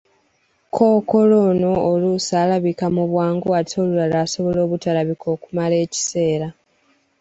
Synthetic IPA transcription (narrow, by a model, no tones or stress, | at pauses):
kʰoːko̞lo̞no̞ːlusaːlaβikamuβwaːŋɡuato̞ːlulalaːso̞βo̞lo̞ːβutalaβikʰo̞ːkumale̞ːci̥se̞ːɾa